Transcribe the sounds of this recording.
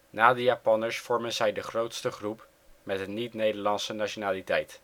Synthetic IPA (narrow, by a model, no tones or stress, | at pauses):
naːdəjaːpɑnəɹsfɔɹmənzɛjdəχrowtstəχrup | mɛtdənitnejdəɹlɑnsənat͡ʃonaːlitɛjt